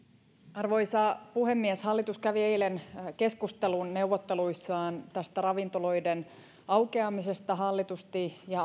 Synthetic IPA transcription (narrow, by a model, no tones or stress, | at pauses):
ɑrʋo̞isɑpuɦe̞mːieshɑlːit̪uskæʋie̞jlenke̞skust̪e̞lunne̞uwʋːot̪ːe̞luisːɑːnt̪æst̪ærɑʋint̪o̞lo̞jden | ɑwke̞ɑmise̞st̪ɑɦɑlːit̪ust̪ijɑ